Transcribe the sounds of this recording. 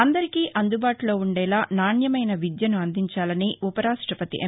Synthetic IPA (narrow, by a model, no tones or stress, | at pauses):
ɐnd̪ɐɾikiːʔɐnd̪ubaːʈulo̞ːuɳɖɛːlaːnaːɳjɐmɐjnɐʋid̪jɐnuɐnd̪iɲt͡ʃaːlɐniupɐɾaːʂʈɾɐpɐt̪ḭʔe